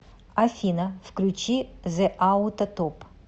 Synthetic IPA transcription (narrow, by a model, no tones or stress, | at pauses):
afʲinɐfklʲut͡ʃizɛʔaut̪ɐt̪op